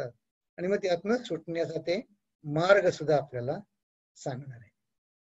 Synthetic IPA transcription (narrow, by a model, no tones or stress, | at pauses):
at̪̚ | aɽiməɡ̚t̪jat̪nəsuʈɳjat͡sat̪e | maɾɡəsud̪ʱːaːpljala | sãŋɡɳaɾe